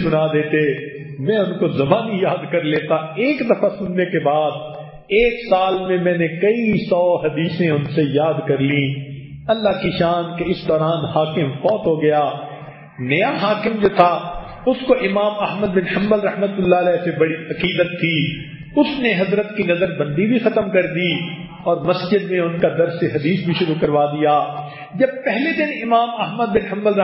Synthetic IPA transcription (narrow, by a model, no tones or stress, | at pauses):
sʊnad̪eːt̪e | mɛ̃ːʊnkozɐbaːnijaːd̪kɐɾleːt̪aeːkd̪ɐfasʊnːekebaːd̪̚ | eːksaːlmẽmɛ̃ːnẽkɐisɔːɦɐd̪iːsẽʊnsejaːd̪kɐɾlĩ | ɐlːaɦkiʃaːnkeɪsd̪ɔːɾaːnɦaːkɪmfɔːt̪ɦoɡɐjaː | nɐjaɦaːkɪmd͡ʒoːt̪ʰa | ʊskoʔɪmaːmɐɦməd̪̚bɪnhɐ̃mbəlɾɐɦmət̪ʊlːaɐlɛːsebɐɽiɐqiːd̪ət̪ʰːi | ʊsneɦɐzɾət̪kinɐzəɾbɐ̃nd̪ibʱixɐt̪əmkɐɾd̪i | ɔːɾmɐsd͡ʒɪd̪mẽʊnkad̪ɐɾseɦɐd̪iːsbʱiʃʊɾukɐɾʋaːd̪ijaː | d͡ʒɐb̚pɛɦled̪ɪnɪmaːmɐɦməd̪̚bɪnɦɐ̃mbəl